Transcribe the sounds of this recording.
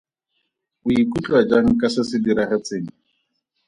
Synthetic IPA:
ʊikʼut͡ɬʼwad͡ʒaŋ̩kʼasɪsɪdiɾaχɛt͡sʼeːŋ̩

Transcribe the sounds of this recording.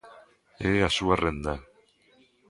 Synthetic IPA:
easuarend̪a

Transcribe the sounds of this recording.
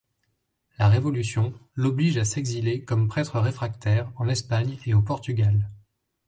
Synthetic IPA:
laʁevɔlysjɔ̃lɔbliʒasɛɡzilekɔmpχɛt̪χəʁefχak̚t̪ɛʁɑ̃lɛspaɲeopɔʁt̪yɡʲal

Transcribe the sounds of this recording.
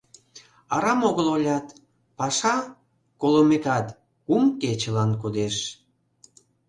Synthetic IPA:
ɑɾɑmoɣəlolʲɑt̪ | pɑʃɑ | kolomekɑt̪ | kumket͡ɕəlɑnkud̪eʃ

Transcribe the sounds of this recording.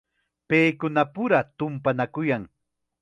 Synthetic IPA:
pejkʊnapʊɾat̪ʊmpanakʊjaŋ

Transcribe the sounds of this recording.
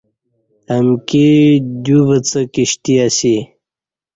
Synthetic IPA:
əmkid̪ubət͡səkiɕt̪iasi

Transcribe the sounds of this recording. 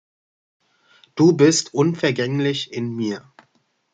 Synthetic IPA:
d̥uːbɪstʔʊnfɛɐɡɛŋlɪçʔɪnmiːɐ

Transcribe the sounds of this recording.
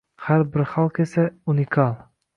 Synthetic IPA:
haɾbɪɾχɑlˠkʲʰesaunɪkʰɑlˠ

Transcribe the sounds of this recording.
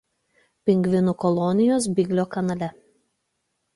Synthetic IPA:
pʲɪŋʲɡʋʲɪnʊkɔlˠɔnʲɪjoːsbʲɪɡʲlʲoːkɐnɐlʲɛ

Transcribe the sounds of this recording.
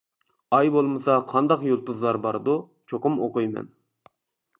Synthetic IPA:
ɑjbolˠmɨsɑqʰɑnd̪ɑqjolˠt̪uzlˠɑɾbɑɾd̪u | t͡ʃʰoqʊmoqujmɛ̰n

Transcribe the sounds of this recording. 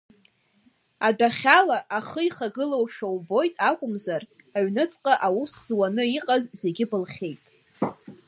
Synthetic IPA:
adaχʲalaʔaχəiχaɡɨlowʃᶣawbo̞jtʼakʷʼʊmzar | aɥnɨt͡sʼqʼaʔawuszwanɨiqʼazze̞ɡʲɪbɨlχʲe̞jtʼ

